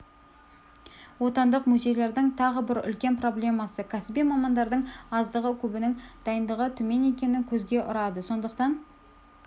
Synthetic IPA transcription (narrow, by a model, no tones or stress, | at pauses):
wo̞t̪ɑnd̪əqmuzʲe̞jle̞ɾd̪ɪŋt̪ʰɑʁəbɪɾʏ̰lkʲe̞npro̞blʲe̞mɑsəkʲʰæsɪbijmɑmɑnd̪ɑɾd̪əɴɑzd̪əʁəkʲʰɵbɪnɪŋd̪̥ɑjənd̪əʁət̪ʰɵme̞ne̞kʲe̞nɪŋkʲʰɵzɡʲe̞ʔʊɾɑd̪əso̞nd̪əqt̪ɑn